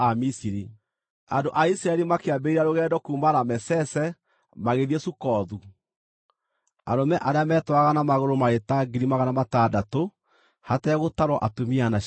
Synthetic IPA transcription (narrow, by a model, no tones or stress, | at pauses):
amisiɾi | andoʔaisiɾaɛɾimakeabeiɾaɾoɣɛːdɔkuːmaɾamɛsɛsɛ | maɣeðiesukɔðu | a̰ɾomɛʔaɾeamɛːtwaɣanamaɣoɾomaɾetaɡiɾimaɣanamatadato | hataɛɣotaɾwɔʔatomiana